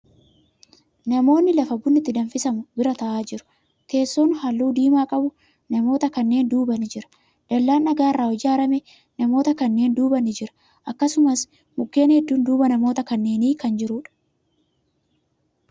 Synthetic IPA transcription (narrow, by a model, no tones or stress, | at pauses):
nɐmo̞ːnːɪlɐfɐbʊnːɪt̪ːɪd̪ɐnfɪsɐmʊbɪɾɐt̪ɐʔaːd͡ʒɪɾʊ̥ | ke̞ːsːoːnhɐlːuːd̪iːmaːkʼɐbʊ | nɐmo̞ːt̪ɐkɐnːe̞ːnd̪uːbɐnɪd͡ʒɪɾɐ̥ | d̪̥ɐlːaːnʔɐɡaːɪrːaːwɔd͡ʒaːɾɐmɛ | nɐmo̞ːt̪ɐkɐnːe̞ːnd̪uːbɐnɪd͡ʒɪɾɐ̥ | ʔɐkːɐsʊmɐs | mʊkːe̞ːnhɛd̪ːuːnd̪uːbɐnɐmo̞ːt̪ɐkɐnːe̞ːniːkɐnd͡ʒɪɾuːᶑɐ̥